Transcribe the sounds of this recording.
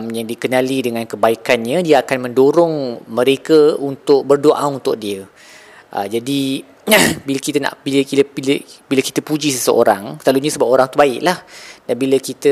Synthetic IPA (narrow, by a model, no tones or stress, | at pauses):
mjaŋdikənalidəŋãnkəbaikanɲə̃diaakanmə̃ndoɾʊŋməɾekəunt̪ʊʔ̚bərdoʔaunt̪ʊk̚diə | ʔə̰d͡ʒadi | bilakit̪əna̰ʔbiləkibilbilaki̥t̪əpud͡ʒisəsəʔo̰ɾaŋsəlaluɲəsəbap̚oɾaŋt̪ubaɪ̰ʔlahdanbiləkit̪ə